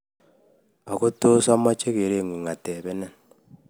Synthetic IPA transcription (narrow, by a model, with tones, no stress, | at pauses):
ɔ˨ko˦to˦sɔ˦mːɔ˦t͡ʃe˦ke˨ɾe˦˨ŋʷi˨ŋa˨tɛ˨be˦nɛ˦n